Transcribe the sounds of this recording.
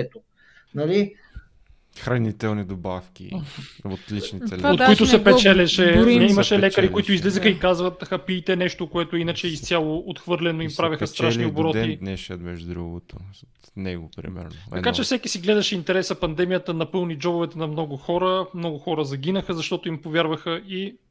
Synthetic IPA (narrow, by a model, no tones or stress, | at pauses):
ɛt̪o | nɐli | xɾɐnit̪ɛlˠnid̪obafkʲḭot̪lit͡ʃnit̪ɛot̪koit̪ʊsɛpɛt͡ʃɛlʲɛʃɛɛimɐʃɛlɛkəɾikʊit̪ʊizlɛzəxəikazvɐt̪xɐpiːt̪ɛnɛʃt̪okoɛt̪ʊinɐt͡ʃɛist̪ʲjalˠoot̪xvɤɾlʲɛnoimpɾavʲɐxɐst̪ɾaʃniobɾɔt̪id̪nɛʃət̪mɛʒd̪ɾuɡot̪o | t̪nɛɡopɾḭmɛ̰ɾnot̪ɐ̰d̪kat͡ʃɛfsɛkisiɡlɛd̪ɐʃɛint̪ɛɾɛsɐpɐnd̪ɛmijət̪ənɐpɤlˠnid͡ʒɔbovɛt̪ɛnɐmnɔɡʊxɔɾəmnɔɡʊxɔɾəzɐɡinəxəzɐʃt̪ɔt̪ʊimpovjaɾvəxəi